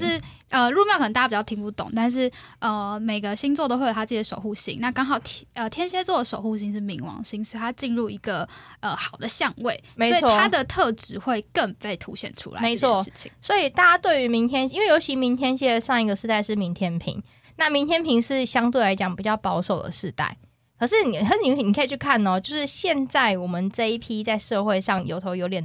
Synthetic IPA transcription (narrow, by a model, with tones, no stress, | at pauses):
ʂɻ̩˥˩ | ə˧ɻu˥˧mjɑ˥˩kə˨˩˨a˧˩pt͡ɕɑ˥˩t̪ʰi˧ŋpu˥˩t̪ʊ̰˨˩˦ŋt̪a˥˧nʂ̬ɻ̩˥˩ | ə˨˩me˨˩ɪɡə˨˦ɕi˥ŋt͡s̪wt̪o˥xe˥˩˨a˥ə˥˩˧ʂo˨˩xu˥˩ɕḭ˥ŋna˥˧kɑ˥ŋxɑ˨˩ʊt̪ʰə˨t̪ʰjɛ˥nɕjɛ˥t͡swɔ˥˩d̪ə˩ʂo˨˩ʊxu˥˧˩ɕ̬i˧˥ŋʂɻ̩˥˩mi˧˥ŋwɑ̰˧˥ŋɕi˥ŋsɔ˥˧˥t̪ʰa˥t͡ɕi˥˧nɻu˥˩i˧˥ɡə˨ʔə˨˩xɑ˨˩ʊd̪ə˦ɕjɑ˥˧ŋwe˥˩ɪmesɪ˧˥i˨ɔ˥˨a˦d̪ə˨t̪ʰɤ˥˧ʈ͡ʂɻ̩˧˥xwe˥˧ɪkə˥˧ŋfe˥˩ɪt̪ʰṵ˧˥ɕjɛ̰˨˩nʈ͡ʂʰṵ˥la̰˨me˧˦ɪ˥t͡sʰwɔ˥˨ɻ̩˥˩t͡ɕʰḭ˨ŋswɔ˧˥i˨˩t̪a˥˩t͡ɕja˥t̪we˥˩ɪy˧˥mi˧˥ŋt̪ʰjɛ˥ni˥nwe˥˩jo˧˥ʊt͡ɕʰi˧˥mi˧˥ŋt̪ʰjɛ˥nɕjɛ˥˧ʂɑ˥˧ŋi˥˩ɡə˩ʂɻ̩˥˧t̪a˥˧ɪʂɻ̩˥˩mi˧˥ŋt̪ʰjɛ˥npʰḭ˧˥ŋ | na˥˩mi˧˥nt̪ʰjɛ˥npʰi˧˥ŋʂɻ̩˥˩ɕjɑ˥ŋt̪we˥˩ɪla˧˥ɪt͡ɕjɑ˨˩ŋpi˨˩t͡ɕjɑ˥˩ʊpɑ˥ʊʂo˨˩ʊd̪ə̰˩ʂɻ̩˥˧t̪a̰˥˩ɪ | kʰɤ˨˩ʂɻ̩˥˩ni˨˩ə˧˥i˨˩n˨kʰa˥i˨˩t͡ɕʰy˥˩kʰa˥˩n˨ɔ˨t͡ɕjo˥˧ʊʂɻ̩˥˧ɕjɛ˥˧nt͡sa˥˩ɪwɔ˨˩mə˨˦nʈ͡ʂɤ˥˧i˥˩pʰi˥t͡sa˥˧ɪʂɤ˥˧xwe˥˧ɪʂɑ˥˩ŋjo̰˧˥ʊt̪ʰo˧˥ʊjo˧˥ʊt̪jɛ˨˩n